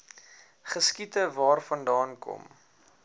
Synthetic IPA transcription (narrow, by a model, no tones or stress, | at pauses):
χəskitəvɑːrfɐndɑːnkɔ̰m